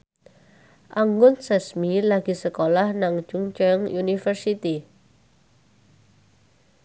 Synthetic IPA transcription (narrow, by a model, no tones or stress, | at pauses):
ʔaŋɡʊnsɛsmilaɡ̥i̤səkolahnaŋ̥d͡ʒ̥uŋt͡ʃɛŋunifərsit̪i